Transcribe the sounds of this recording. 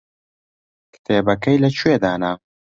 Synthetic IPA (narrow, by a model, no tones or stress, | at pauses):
kɨ̥t̪ʰeːbɐkɐjlɐt͡ʃʰwed̪aːna